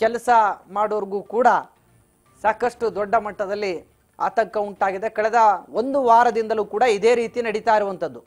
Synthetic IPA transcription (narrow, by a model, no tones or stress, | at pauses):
kɛlɐsɐmaːɽoːɾɐɡuːkuːɽɐ | saːkɐʂʈud̪ɔɖːɐmɐʈːɐd̪ɐlːi | a̰ːt̪ɐŋkɐuɳʈaːɡid̪ekɐɭɛd̪ɐo̞nd̪uʋaːɾɐd̪ind̪ɐluːkuːɽɐid̪eːɾiːt̪inɐɽit̪aːjiɾuʋɐnt̪ɐd̪ːu